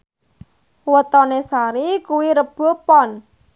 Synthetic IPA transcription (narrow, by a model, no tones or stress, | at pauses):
wət̪ɔnesaɾikuwiɾəb̥o̤pɔn